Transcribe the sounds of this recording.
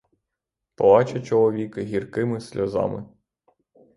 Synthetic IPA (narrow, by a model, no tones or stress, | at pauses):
pɔʋɑt͡ʃɐt͡ʃɔlˠɔʋʲikɪɦʲirkɪmɪsʲlʲɔzɑ̰mɪ̰